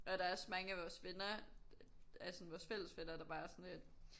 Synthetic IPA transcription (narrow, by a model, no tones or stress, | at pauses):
ʔɒ̽ɾ̥ɑ̈æɐsmɑ̈ŋəæʋɒːsʋe̝nɐ | æsɔ̽nʋɒːsfel̰əsʋenɐd̥ɑ̈b̥ɑ̈ːɐsɔnled̥